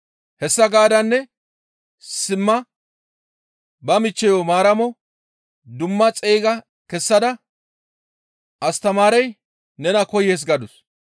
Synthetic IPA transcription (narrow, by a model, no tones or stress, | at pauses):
hɛsːɐɡaːd̪ɐnːɛ | sɪmːɐ | bɐmɪt͡ʃːɛjɔmaːɾɐmɔ | d̪ʊmːɐt͡sʼeːɡɐ | kɛsːɐd̪ɐ | ʔɐst̪ɐmaːɾɛj | nɛnɐkɔjes̬ɡɐd̪ʊs